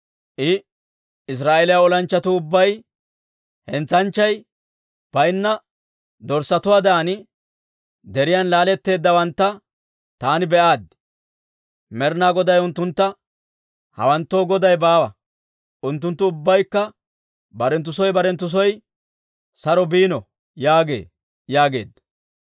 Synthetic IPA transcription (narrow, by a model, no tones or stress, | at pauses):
ʔɪ | ɪs̬ɾaːʔelɪjwaɔlɐnt͡ʃːɐt̪ʊʊbːɐj | hɛnt͡sɐnt͡ʃːɐj | b̥ɐjnːɐ | d̪ɔɾsɐt̪ʊwaːd̪ɐːn | d̪ɛɾɪjanlaːlɛt̪ːe̞ːd̪ːɐwɐnt̪ːɐ | t̪aːnɪbɛʔaːd̪ | mɛɾnaːɡɔd̪ɐjʊnt̪ːʊnt̪ːɐ | hɐ̰wɐnt̪ːo̞ːɡɔd̪ɐjbaːwɐ | ʔʊnt̪ːʊnt̪ːʊʊbːɐjkːɐ | bɐɾɛnt̪̬ːʊsɔjbɐɾɛnt̪ːʊs̬ɔj | sɐɾɔbiːnɔ | jaːɡe̞̰ː | jaːɡe̞̰ːd̪ː